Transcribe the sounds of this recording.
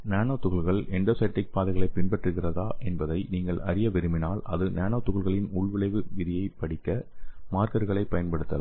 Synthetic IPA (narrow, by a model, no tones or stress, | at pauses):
naːnoːt̪ːʊɣɐɭɣɐɭɛɳɖɐsɐʈːɪk̚paːðɐɪɣɐɭɐɪpɪɳbɐʈrɯɣɪrɐðaːʔɛnbɐðɐɪniːŋɡɐɭʔɐɾɪjɐʋɪɾɯmɪnaːlɐðɯnaːnoːt̪ːʊɣɐɭɣɐɭɪnʊɭʋɪɭɐɪʋɯʋɪðɪjɐɪpːɐɽɪkːɐmaːɾkɐɾɣɐɭɐɪpɐjɐnpɐɽɯt̪ːɐla̰ː